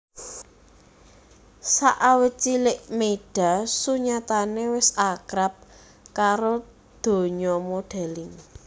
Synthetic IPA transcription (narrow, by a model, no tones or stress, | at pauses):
saʔawət͡ʃilɪʔmeɖ̥a̤suɲat̪anewɪsakɾap̚ | kaɾo | d̪̥o̤ɲɔmoɖ̥a̤lɪŋ